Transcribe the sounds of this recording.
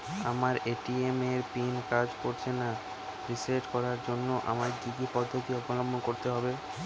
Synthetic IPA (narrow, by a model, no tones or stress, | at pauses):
a̰maɾeʈiemeɾpinkad͡ʑkoɾt͡ɕʰena | ɾiseɾʈkɔɾaɾd͡ʑonːoʔa̰maɾɡid̪ipɔd̪ʱːot̪iɔbolombonkoɾt̪eɦɔbe